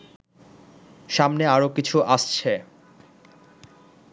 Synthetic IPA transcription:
ʃamneaɾokit͡ɕʰuʔaʃt͡ɕʰe

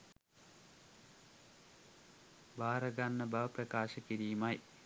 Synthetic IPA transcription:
baːɾɐɡanːəbɐʋɐprɐkaːʃəkiɾiːmaj

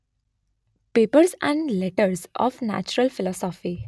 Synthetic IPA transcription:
peːpəɾzɛ̃ɳɖlɛʈəɾzɔ̰ːfnæ̰t͡ʃuɾəlfɪlɔːsɔːfi

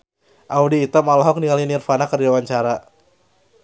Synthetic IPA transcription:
ʔaudiːt̪amalɔɦɔk̚nialinirfanakariawaɲt͡ʃaɾa

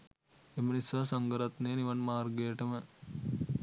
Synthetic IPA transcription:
emənisaːsɐŋɡəɾat̪neːniʋɐnmaːrɡejʈəmə

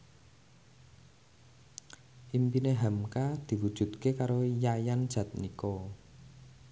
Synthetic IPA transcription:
ʔimpineɦamkad̪̥i̤wud̥ʒ̥ṳt̪̚kekaɾojajand̥ʒ̥ä̤t̪̚nikɔ

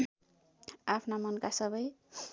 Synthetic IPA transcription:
apʰnamʌnkasʌbʌj

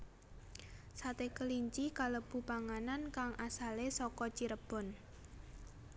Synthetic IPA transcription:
sat̪ekəliɲt͡ʃikaləb̥ṳpaŋanankaŋʔasalesɔkɔt͡ʃiɾəb̥ɔ̤n

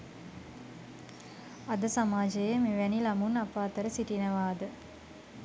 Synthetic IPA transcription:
ad̪əsamaːd͡ʒɐjemeʋænilamunapaːt̪əɾəsiʈinəʋaːd̪ə

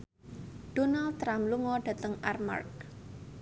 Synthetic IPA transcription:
ɖ̥ɔ̤nald̚t̪ːɾamluŋɔɖ̥ä̤t̪əŋʔarma̰rk̚

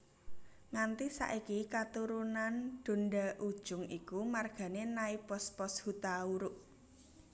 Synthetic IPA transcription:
ŋant̪isa̰ʔikikat̪uɾunanɖ̪̥o̤nɖaʔud̥ʒ̥ʊ̤ŋikumarɡ̥a̤nenaipɔspɔshut̪auɾʊʔ

